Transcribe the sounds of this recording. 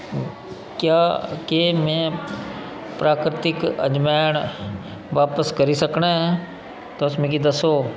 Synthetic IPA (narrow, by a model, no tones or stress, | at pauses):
kjaːkeːmɛ̃ː | pɾaːkɾɪt̪ɪkə̰d͡ʒmaːəɽ̃ | ʋaːpəskəɾisəknaɦɛ̃ | t̪oʊsmẽːkid̪əsoː